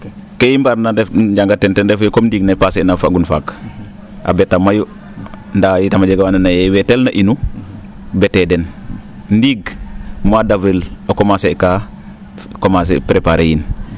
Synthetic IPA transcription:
kejimbaɾnadɛfd͡ʒɟaŋɡatːɛntɛndɛfajkomndiːɡnapasenafaɡunfak | ʔa̰bɛtamaju | ndajitamad͡ʒeɡawanunajɛwɛtɛlnaʔinu | bɛtɛdɛn | ndiɡmadavilokomaseka | komas̬ḛpɾepaɾejin

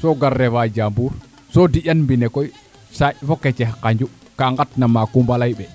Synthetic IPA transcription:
sɔɡarːɛwad͡ʒambuɾ | sɔdiʔanmbinɛkɔj | safɔkːɛt͡ʃɛhkaɲd͡ʒu | kaŋɡatnamakumbalajɓɛ

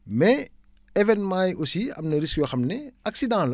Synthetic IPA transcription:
mɛ | ɛvɛnmaːjusiɐ̰mnɐɾiskjoxɐmneɐksidãːlɐ

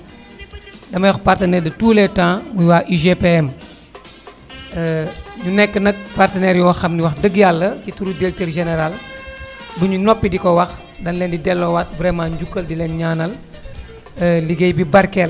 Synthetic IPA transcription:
dɐmɐjɔxpartənɛːɾdituːlɛtãːmujwaːʔiʒepeɛm | nunɛkːənɐk̚partənɛːɾjɔːxɐmniwɐxdəɡjalːəcituɾudelteɾʒɛnɛɾal | buɲunɔpːidikɔwɐx | dɐnlɛndidɛlːɔwɐt̚vɾɛmãːɲɟukːəldilɛnɲaːnɐl | liɡejbibɐɾkɛl

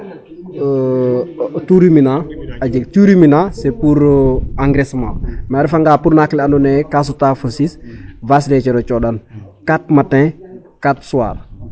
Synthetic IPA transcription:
tuɾiminaad͡ʒɛktuɾiminasɛpuɾaŋɡɾɛsmã̰maɾifaŋɡaːpuɾnaklɛanunɛkas̬utafəsisvaslɛt͡ʃɛɾɔt͡ʃɔdankatmatɛ̃ | katsuwa̰ːɾ

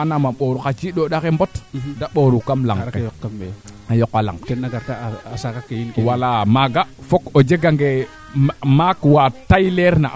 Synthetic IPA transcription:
anamaɓoɾukat͡ʃiɗoɗakembotdaɓoɾukamla̰ŋkejkkameajokala̰ŋtenaɡaɾtaasakakejinkwalamaɡafokod͡ʒeɡaŋɡe | makwatajleɾna̰

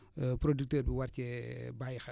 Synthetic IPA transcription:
pɾodik̚təːɾbiwaɾcɛbajxɐ

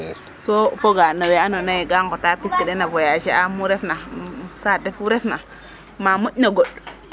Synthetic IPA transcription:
sofoɡanaweanonajeɡaŋkotapiskedenavojaʃeʔamuɾefnasadefuɾefna | mamuʔnaɡoɗ

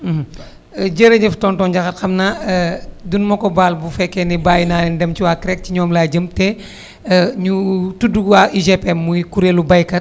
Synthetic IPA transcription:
d͡ʒəɾɐɲɐftɔːntɔːnɟɐxɐtxɐmna | dunmɐkɔbaːlbufɛkːɛnibaːjnandɛmt͡ʃiwaːkɾɛk̚t͡ʃiɲɔːmlaːɟəmtɛ | ɲutuduɡwaʔiʒepɛmːujkuɾeːlubɐjkɐt̚

